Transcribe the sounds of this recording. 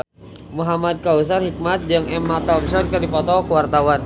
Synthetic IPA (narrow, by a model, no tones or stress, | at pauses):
muɦamad̪̚kaus̬anhik̚mat̪̚d͡ʒaŋɛmːat̪amsɔnkərdipɔt̪ɔkəwart̪awan